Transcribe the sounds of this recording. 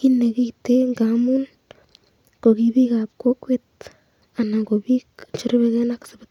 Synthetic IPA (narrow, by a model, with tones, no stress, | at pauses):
ɡi˦ne˧ɡi˦jt̪e˦ŋɡa˨mu˦n | ɡ̥o˨ɡi˧bi˦ɡa˨bko˦kʷe˧t̪ | a˨na˨ŋɡo˨bi˦nt͡ʃo˦ɾbe˧ɡe˦na˦ksa˨be˨